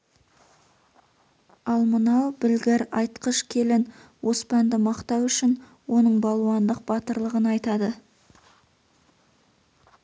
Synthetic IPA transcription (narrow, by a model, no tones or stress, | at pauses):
ɑlˠmənɑwbɪlɡʲeɾɑjt̪qəʃkʲʰe̞lɪnwo̞spɑnd̪ɪmɑqt̪ɑwʏʃɪn | wo̞nəɴbɑlˠwɑnd̪əq̚b̥ɑt̪əɾlˠəʁənɑjt̪ɑd̪ə